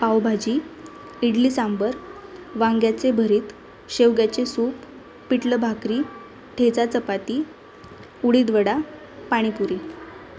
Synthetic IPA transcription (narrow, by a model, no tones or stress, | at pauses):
pawbʱad͡ʑiː | iɽliːsambəɾʋãŋɡjat͡sebʱəɾiːt̪ | ɕeʋɡjat͡ɕesupː | iʈləbʱakɾiː | ʈʰet͡sat͡səpat̪iː | uɽiːd̪ʋəɽa | paɽ̃ipuɾi